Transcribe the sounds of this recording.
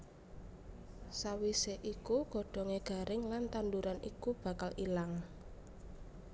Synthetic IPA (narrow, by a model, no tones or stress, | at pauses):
sawiseʔikuɡ̥ɔ̤ɖ̥ɔ̤ŋeɡ̥a̤ɾʔɪŋlant̪and̪uɾanḭkub̥a̤kalʔilaŋ